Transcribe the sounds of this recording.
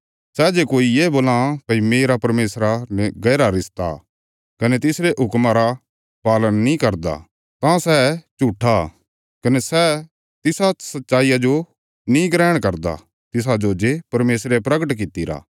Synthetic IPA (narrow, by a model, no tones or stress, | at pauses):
sɛːd͡ʒeːkoːijeːboːlãpɐimeːɾapɐɾmeːsɾaneɡɐːɾaɾɪst̪a̰ | kɐnet̪ɪsɾeʔɦʊkmaɾa | paːlənːĩkɐɾd̪a̰ | t̪ãsɛt͡ʃuːʈʰːa | kɐnesɛ | t̪ɪsasɐt̪ːʃaːijad͡ʒo | nĩɡɾɛːɽ̃kɐɾd̪a̰ | t̪ɪs̬ad͡ʒoːd͡ʒepɐɾmeːsɾepɾɐɡəʈk̬ɪt̪ːiɾa̰ː